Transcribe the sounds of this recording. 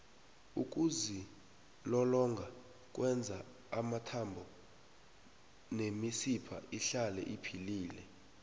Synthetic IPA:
uk̬ʼuzi | lɔlɔŋɡʱa | k̬ʼwɛnd͡zʱaː | matʰambʱɔ | nemisipʰa̰iɬalɛ̰ʔipʰiliːlɛ

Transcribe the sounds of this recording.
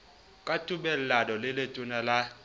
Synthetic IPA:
kʼatʼuɓɛl̩ladɔlɛletʼunala

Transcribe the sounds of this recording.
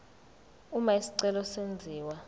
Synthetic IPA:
umaisi̥ǀɛlɔsend͡zʱiːwa

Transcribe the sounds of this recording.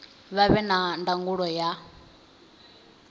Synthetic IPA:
βaβɛnandaŋɡuɺɔja

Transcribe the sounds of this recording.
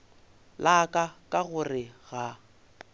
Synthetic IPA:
lakʼakʼaɣʊrɪɣa

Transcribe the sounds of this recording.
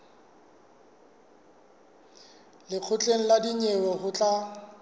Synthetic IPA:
lɪq͡χʰʊt͡ɬʼeŋ̩ladiɲewɛhʊt͡ɬʼa

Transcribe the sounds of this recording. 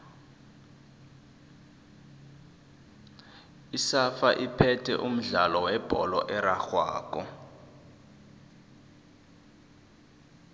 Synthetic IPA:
isafaʔipʰɛtʰɛ̰ʔum̩ɮalɔwɛb̥ʱɔlɔʔɛɾaxwa̰ːk̬ʼɔ

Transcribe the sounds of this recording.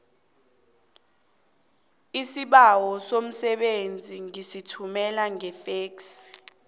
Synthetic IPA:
isiɓawɔsom̩sɛɓend͡zʱiŋisitʰumɛlaŋɛθeːks

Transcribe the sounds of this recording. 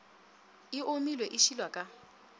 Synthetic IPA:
ɪʔomilwɛʔɪʃilwakʼa

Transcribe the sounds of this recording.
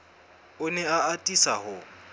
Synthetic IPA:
ʊnɛaatʼisahʊ

